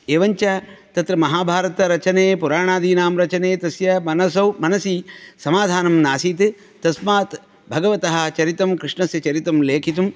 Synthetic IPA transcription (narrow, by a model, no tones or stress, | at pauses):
eːʋɐɲt͡ʃɐt̪ɐt̪ɾɐmɐɦaːbʱaːɾɐt̪ɐɾɐt͡ʃɐneːpuɾaːɳaːd̪ʱiːnaːmɾɐt͡ʃɐneːt̪ɐsjɐmɐnɐsɐwmɐnɐsiːsɐmaːd̪ʱaːnɐmnaːsiːt̪ | t̪ɐsmaːt̪ | bʱɐɡɐʋɐt̪ɐɦɐ̆t͡ʃɐɾit̪ɐmkɾɪʂɳɐsjɐt͡ʃɐɾit̪ɐmleːkʰit̪̬um